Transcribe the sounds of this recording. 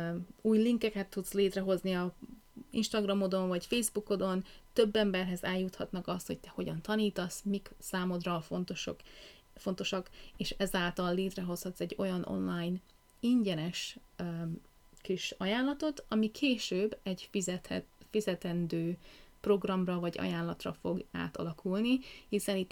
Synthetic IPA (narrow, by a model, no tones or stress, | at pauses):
uːjliŋkɛkɛt̪ːut̪sleːt̪rɛɦo̞zniɒ | ḭnʃt̪ɒɡrɒmo̞d̪o̞ɱvɒcfejzbuko̞d̪o̞nt̪øbːɛmbɛrɦɛzɛljːut̪hɒt̪nɒkɒst̪ho̞̰c̚t̪ɛho̞ɟɒnt̪ɒniːt̪ɒsmiksaːmo̞d̪rɒfont̪oʃok | fo̞nt̪o̞ʃɒkeːʃɛzaːlt̪ɒlːeːt̪rɛɦo̞shɒt̪sɛɟːo̞̰jɒnʔo̰nlaːjn | iɲɟɛnɛʃ | kiʃɒjaːnlɒt̪o̞t̪ɒmikʰeːʃøːbːɛɟt̪fizɛt̪ɛnd̪øːpro̞ɡrɒmrɒvɒɟɒ̰jaːnlɒt̪rɒfo̞ɡa̰ːt̪ɒ̰lɒkʰulnihisɛnit̪ː